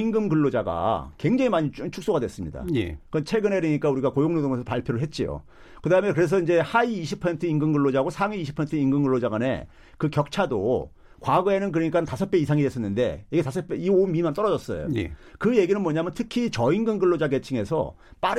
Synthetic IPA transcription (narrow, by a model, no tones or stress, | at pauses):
iŋɡɯmɡɯɭːod͡ʑaɡa̰kwe̞ŋd͡ʑeŋimaɲit͡ɕʰuk̚s͈oɡadwes͈ɯmɲida̰ekʌt͡ɕʰwe̞ɡɯne̞ɾɯɲik͈auɾiɡakojoŋnodoŋes̬ʰʌpaɭpʰjoɾɯɭɦet̚t͡ɕ͈ijo̰ | kɯdaɦɯmekɯɾe̞s̬ʰʌind͡ʑe̞haiːɕʰipʰʌsʰentʰɯinɡɯmɡɯɭːod͡ʑaɦɡosʰaŋiiɕʰi̥pʰʌsentʰɯiŋɡɯmɡɯɭːod͡ʑaɡane̞̰ | kɯkjʌk̚t͡ɕʰado̰ | kwaɡʌe̞nɯnkɯɾʌɲik͈atasʰʌp͈eisʰaŋidwes͈ʌnːɯnde̞̰iɡetasʰʌp͈eiomimant͈ʌɾʌd͡ʑʌs͈ʌ̰jo̰j̰kɯje̞ɡinɯnmwʌɲamjʌntʰɯkʰit͡ɕʌiŋɡɯmɡɯɭːod͡ʑaɡe̞t͡ɕʰiŋe̞sʰʌ̰ | p͈aɾ